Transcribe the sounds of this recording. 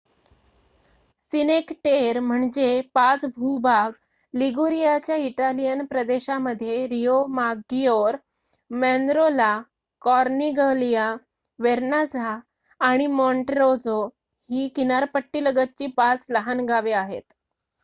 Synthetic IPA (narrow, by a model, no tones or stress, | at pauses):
sinekʈeɾm̤əɳd͡ʑepat͡sbʱubaɡ | liɡuɾijat͡ɕjaiʈalijənpɾəd̪eɕaməd̪ʱːjeɾijomaɡijoɾ | mɛ̃nd̪ɾola | kɔɾniɡəlija | ʋeɾnad͡zʱaː | ɽ̃imɔɳʈɾod͡zo | hiːkinaɾpəʈːiːləɡət̪̚t͡ɕiːpat͡sləɦanɡaʋeaɦḛt̪